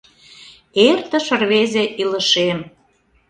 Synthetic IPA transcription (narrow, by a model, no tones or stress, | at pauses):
ert̪ə̆ʃə̆rβezʲeʔilə̆ʃem